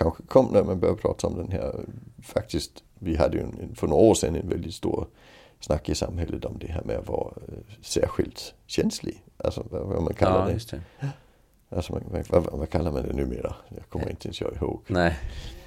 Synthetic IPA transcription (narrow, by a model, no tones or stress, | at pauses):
kʰɑnxə̥kʰɔmːnɔmænb̥ɐpʰʁɑ̰ːtʰəɒmd̥̪enɦæɐ̰fɑ̈ɡ̥̚d̥ʰisɡ̥ | ʋiɦɑd̥̪əjoenenfɒnonɔ̰ːsenenʋeld̥id̥sto̝̰ːɐ̰ | snɑ̈ɡːisɑ̈mhɛləd̥̪ɒmd̪̥eɦæɐmeæʋɑːsæɐɧild̥ɕɛnslḭʔælsɔʋææ̰mænkʰælɐdes | ʔælsɔmænæʋæʋækʰælɐmænd̪enuːmḛːɐjaɪkʰɔmːɐʁentt͡sʰəensʰø̰ːiho̰ːɡ̥